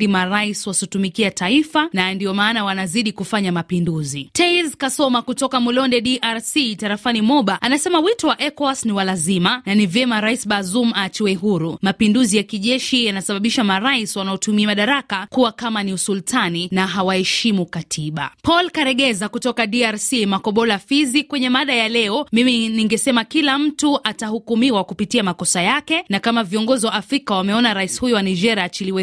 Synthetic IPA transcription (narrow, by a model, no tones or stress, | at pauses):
imaɾaiswasutumikiataifanandiɔmaːnawanaziɗikufaɲamapinduzitɛzkasɔmakutɔkamulɔndɛɗiʔaɾsitaɾafanimɔɓaʔanasɛmawitɔwaʔɛkɔasniwalazimananivjɛmaɾaisɓazumat͡ʃiwɛɦuɾumapinduzijakiʄɛʃijanasaɓaɓiʃamaɾaiswanaɔtumiamaɗaɾakakuwakamaniusultʰaninaɦawahɛʃimukatʰiɓa̰pɔlkaɾɛɠɛzakutɔkaɗiaɾsimakɔɓɔlafizikwɛɲɛmaɗajalɛɔmiminiŋɡɛsɛmakilam̩tuʔatahukumiwakupitiamakɔsajakɛnakamaviɔŋɡɔziwaːfɾikawamɛɔnaɾaisi̥hujɔwanad͡ʒɛɾiat͡ʃiliwɛ